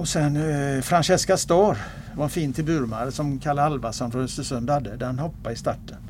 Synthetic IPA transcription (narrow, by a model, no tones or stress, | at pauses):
ɔsɛnfɾanɕɛskast̪ɔːɾ | vaɛnfiːnt̪ʰɪlbʉɾmaɾəsɔmkʰaɭalvasɔnɾœsəsɵnd̪had̪ːəd̪æɾhanhɔpːaɪst̪aʈːən